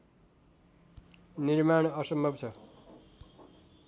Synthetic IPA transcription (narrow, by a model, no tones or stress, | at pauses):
nirmaɳ̃ʌsʌmbʱʌbt͡sʰʌ